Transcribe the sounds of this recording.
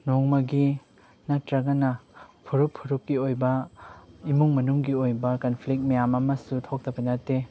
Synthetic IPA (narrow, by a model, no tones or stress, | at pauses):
nɔŋmɐɡi | nɐtɾɐɡɐnɐpʰuɾuppʰːuɾup̚kiojbɐ | imuŋmɐnuŋɡiojbɐkɐnpʰlik̚t̚mɐjamɐmɐsutʰok̚tɐbɐnɐtːe